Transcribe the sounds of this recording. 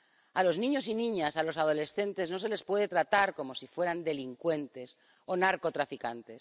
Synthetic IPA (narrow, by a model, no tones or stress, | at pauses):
alo̞znĩɲo̞s̬inĩɲasalo̞sað̞o̞le̞sθe̞nt̪e̞zno̞se̞le̞spwe̞ð̞e̞t̪ɾat̪aɾko̞mo̞sifwe̞ɾand̪e̞liŋkwe̞nt̪e̞s | o̞naɾko̞t̪ɾafikant̪e̞s